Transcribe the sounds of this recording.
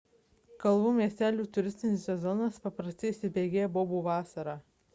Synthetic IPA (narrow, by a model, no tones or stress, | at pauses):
kɐlˠʋuːmʲiɛsʲt̪ʲæːlʲuːt̪ʊɾʲɪsʲt̪ʲɪnʲɪsʲsʲɛzɔnɐspɐpɾɐsʲt̪ʲɪisʲɪbʲeːɡʲeːjɛboːbuːʋɑːsɐɾɑː